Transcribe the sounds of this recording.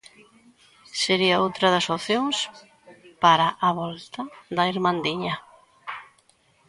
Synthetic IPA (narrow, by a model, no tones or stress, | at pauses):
seɾiaowt̪ɾɐðɐsoθjoŋs | paɾaʔaβɔlt̪ɐðɐiɾmãnd̪iɲɐ